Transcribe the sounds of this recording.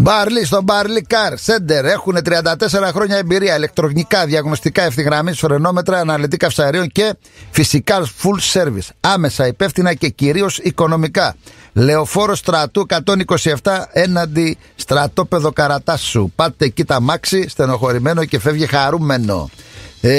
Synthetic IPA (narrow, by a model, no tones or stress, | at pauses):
bɐɾlis̬t̪o̞bɐɾlikɐɾse̞nd̪e̞ɾe̞xune̞t̪ɾiɐnd̪ɐt̪e̞se̞ɾɐxɾo̞ɲɐembiɾiɐile̞k̚t̪ɾo̞ɣnikɐðiɐɣno̞st̪ikɐefθiɣɾɐmisfɾe̞no̞me̞t̪ɾɐːnɐlit̪̬ikɐfsɐɾio̞ɲce̞ | fisikɐfulse̞ɾvḭsɐme̞sɐipe̞fθinɐce̞ciɾio̞siko̞no̞mikɐle̞o̞fo̞ɾost̪ɾɐt̪uekɐt̪o̞niko̞sie̞ft̪ɐe̞nɐnd̪i | st̪ɾɐt̪o̞pe̞ðo̞kɐɾɐt̪ɐsṵpɐt̪ːe̞cit̪ɐmɐksist̪e̞no̞xo̞ɾime̞noce̞fe̞vʝixɐɾume̞no̞̰